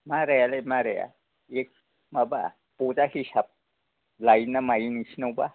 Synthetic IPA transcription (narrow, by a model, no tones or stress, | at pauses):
maɾajalemaɾəja̰ | ek̚ | maba̰ | pud͡ʒahisab̚ | lajnamajinisʰnawba